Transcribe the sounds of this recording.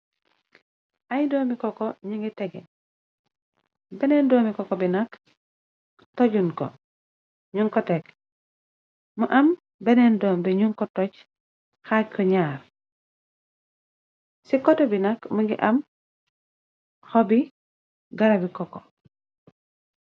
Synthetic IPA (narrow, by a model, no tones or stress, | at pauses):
ʔajdoːmbikɔkɔɲiŋɡitɛɡɛ | benendɔːmikɔkobinak | toɟunko̰ | ɲuŋkɔtek | muʔɐm | bɛnendoːmbiɲuŋkɔtoc | xakɔɲaːɾ | sikɔtɛbinakmuɡḭʔɐm | xobi | ɡaɾabikɔko